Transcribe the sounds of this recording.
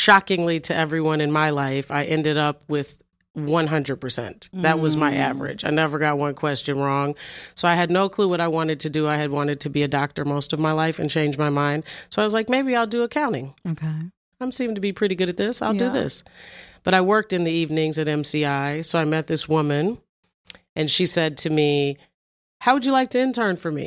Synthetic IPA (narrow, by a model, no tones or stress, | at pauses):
ʃɑkɪ̃ŋliɾɨɛvɹiwʌ̃nɨ̃nmaɪlaɪfaɪʔɛ̃ndɨɾʌp̚wɪð̥ | wʌ̃nɦʌ̃ndɹəd̚pʰə˞sɛ̰̃nðɨt̚wʌzmaɪʔævə̰˞ɨ̰d͡ʒaɪnɛvə˞ɡɑt̚wʌ̃nkʰw̥ɛst͡ʃɨ̃nɹɔ̃ŋsoʊaɪɨdⁿnoʊkʰl̥uwʌɾaɪwɑ̃ɾ̃ɨd̚tʰɨdɨaɪɨd̚wɑ̃ɾ̃ɨd̚tʰɨbiɨdɑk̚tə˞moʊstʌvmaɪlaɪfɨ̃nt͡ʃʰẽɪ̃nd͡ʒmaɪmãɪ̃nd̥soʊaɪwʌzlaɪk̚meɪbiaɪlˠdɨəkʰãʊ̃ɾ̃ɪ̃ŋokʰe | ãɪ̃msĩmɪ̃ŋtʰɨbipʰɹ̥ɪɾiɡʊɾɨt̪̚ðɪsaɪlˠdɨðɪ̰sb̥ʌɾaɪwɜ˞k̚tɨ̃nðiivnɪ̃ŋzɨɾɛ̃msiaɪsoʊaɪmɛt̪̚ðɪswʊmɨ̃n | ʔɨ̃nʃisɛd̚tʰɨmi | haʊwɨd͡ʒɨlaɪk̚tʰɨɨ̃ntʰɜ̃˞nfə˞mḭ